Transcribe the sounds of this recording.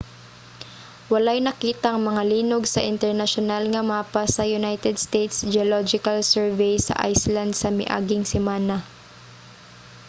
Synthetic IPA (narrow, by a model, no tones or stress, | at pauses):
wɐlajnɐkiːt̪ɐʔŋmɐŋaliːnoɡsɐʔɪnt̪ɛɹnɐʃonalŋɐmaːpasɐjʊnajt̪ɛd̪̚st̪ejt̪sd͡ʒɛolod͡ʒɪkalsɛɹvɛjsɐ̰ʔa̰jsland̪̚sɐmɪ̰ʔa̰ːɡɪŋsɪmaːna